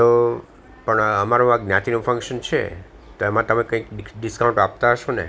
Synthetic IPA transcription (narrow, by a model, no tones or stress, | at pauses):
t̪o | pəɳəmaɾũaɡnjat̪inõfʰə̃ŋkʃənt͡ʃʰḛ | t̪oemãt̪əmẽkə̃ikɖiskawũɳʈap̚t̪aɦəʃõnḛ